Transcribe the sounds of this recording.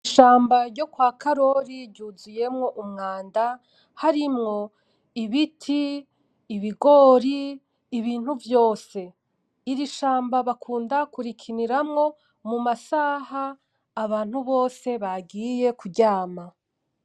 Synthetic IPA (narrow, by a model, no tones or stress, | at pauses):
iʃaːmbaɾɟo̞kwaːkaɾo̞ɾiɾɟuzuje̞mŋo̞ʔumŋaːnda | haɾimŋo̞ | iβitʰiː | βiɡo̞ɾiː | βiːn̥huvjo̞ːse̞ | iɾiʃaːmbaβakʰuːndakuɾikʰiniɾamŋo̞ | mumasaːhaː | βaːn̥huβo̞ːse̞βaɡije̞kuɟaːma